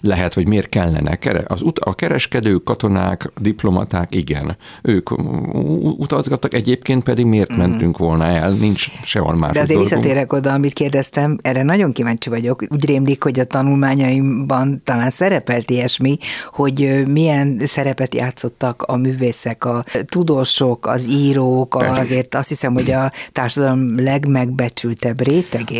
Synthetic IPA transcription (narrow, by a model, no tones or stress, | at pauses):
lɛɦɛt̪ho̞ɟmeːrt̪̚kɛlːɛ̰nʔɛ̰kɛɾɛ̰ʔɒzut̪ɒkɛɾɛʃkɛd̪øːkːɒt̪o̞na̰ːkd̪iplo̞mɒ̰t̪aːkiɡɛ̰nøːk | ut̪ɒzɡɒt̪ːɒkɛɟeːpkeːnt̪̚pɛd̪iɡmeːrt̪mɛnt̪yŋkʋo̞lnɒɛlnint͡ʃʃɛo̰lma̰ːʃd̪ɒzeːrvisːɒt̪eːɾɛko̞d̪ɒːmit̪̚keːrd̪ɛst̪ɛmɛrɛnɒɟo̞ŋkivaːɲt͡ʃivɒɟo̞kuːɟreːmlikho̞ɟɒt̪ɒnulmaːɲɒimbɒnt̪ɒlaːnsɛɾɛpɛlt̪iɛʃmiho̞ɟmijɛnsɛɾɛpɛt̪ja̰ːt̪sːo̞t̪ːɒkɒmyːveːsɛkɒt̪ud̪oːʃokɒ̰ziːɾoːkzeːrt̪ɒst̪hisɛmho̞ɟɒt̪aːrʃɒd̪ɒlomlɛɡmɛɡ̚bɛt͡ʃylt̪ɛbreːt̪ɛɡeː